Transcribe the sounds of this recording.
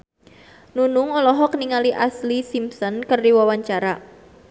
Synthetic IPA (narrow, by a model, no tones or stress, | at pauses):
nunʊŋɔlɔɦɔkəniŋaliʔaslisimsɔnkərdiwawaɲt͡ʃaɾa